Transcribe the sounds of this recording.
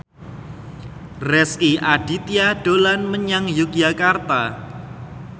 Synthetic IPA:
rɛskiʔaɖ̥it̪ijaɖ̥olanməɲaŋjukijakart̪a

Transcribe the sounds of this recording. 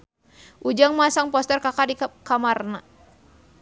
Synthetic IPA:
ʔud͡ʒaŋmasaŋpɔst̪ɛrkakadikamarna

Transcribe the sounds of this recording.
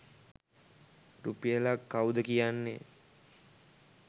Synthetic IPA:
rupijəlakːawd̪əkijanːḛ

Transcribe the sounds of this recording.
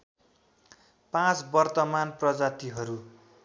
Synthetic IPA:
pãt͡sbʌrt̪ʌmanprʌd͡zat̪iɦʌɾu

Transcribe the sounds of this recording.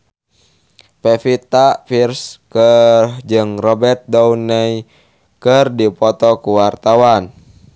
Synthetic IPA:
pɛfit̪afirskərd͡ʒɨŋrɔbɛrt̪̚dɔunɛi | kərdipɔt̪ɔkuwart̪awan

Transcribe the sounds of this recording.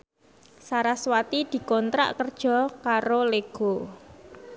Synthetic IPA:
saɾaswat̪id̪̥i̤kɔnt̪ɾa̰ʔkərd̥ʒ̥ɔ̤kaɾoleɡ̥o̤

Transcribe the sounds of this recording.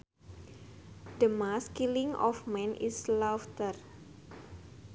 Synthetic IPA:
d̥əmaskiliŋɔ̰fmɛ̃nislaft̪ər

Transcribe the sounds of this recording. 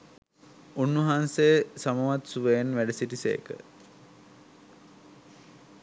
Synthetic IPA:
unːʋɐɦaːnsejəsamɐʋat̪suʋejenʋæɖəsiʈisḛj̰kə̰

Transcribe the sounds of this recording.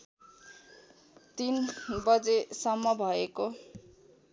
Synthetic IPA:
t̪inbʌd͡zesʌmːʌbʱʌeko

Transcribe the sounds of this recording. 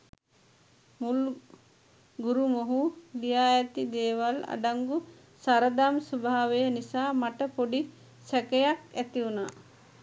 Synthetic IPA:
mul | ɡuɾumoɦulijaːjət̪id̪eːʋala̰ɖaŋɡu | saɾəd̪amsubʱaːʋejənisaːmaʈəpoɖi | sækejakæt̪iunaː

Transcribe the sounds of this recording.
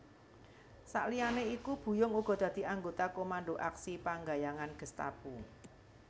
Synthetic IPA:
sa̰ʔlianeikub̥ṳjʊŋuɡ̥ɔ̤d̪̥ä̤d̪̥i̤aŋɡot̪akomanɖoʔaksipaŋɡajaŋanɡ̥ə̤st̪a̰pu

